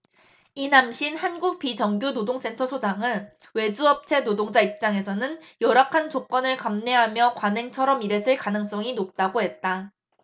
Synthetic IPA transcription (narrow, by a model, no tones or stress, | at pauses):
inamɕʰinhanɡuk̚p͈it͡ɕʌŋɡjonodoŋs͈ʰe̞ntʰʌsʰod͡ʑaŋɯn | we̞d͡ʑuʌp̚t͡ɕʰe̞nodoŋd͡ʑaip̚t͡ɕ͈aŋe̞sʰʌnɯnjʌɾakʰant͡ɕok͈̚ʌnɯɭkamne̞ɦamjʌkwanɦe̞ŋt͡ɕʰʌɾʌmiɾe̞sʰɯɭkanɯŋs͈ʌŋinop̚t͈aɡoɦe̞t̚t͈a